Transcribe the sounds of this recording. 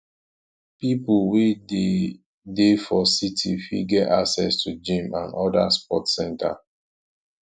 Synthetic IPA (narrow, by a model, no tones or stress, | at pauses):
pipulwe | defɔsitʰifḭɡɛtaksɛstʰud͡ʒĩmã̰nɔda̰spɔtsɛ̃nta̰